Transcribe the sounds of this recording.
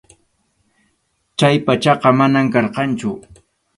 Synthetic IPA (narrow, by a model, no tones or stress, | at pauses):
t͡ʃajpat͡ʃɑqɑmanamkɑɾqɑnt͡ʃʊ